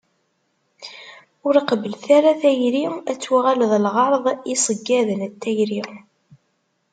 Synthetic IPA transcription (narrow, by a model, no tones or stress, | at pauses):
ʊɾiqbəlθaɾaθæjɾiæt͡sːwaʁalðˤlʁɑɾˤðˤisˤəɡːæðənət̪ːæjɾi